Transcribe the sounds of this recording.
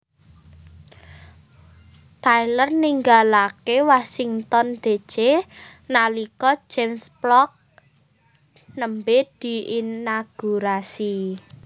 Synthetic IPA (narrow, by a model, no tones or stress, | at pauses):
t̪ajlərniŋɡalakewasiŋt̪ɔnd̪̥e̤̥t͡ʃenalikɔ̥d͡ʒʒ̥ɛmsplɔk̚ | nəmbed̪̥i̤inaɡ̥uɾasi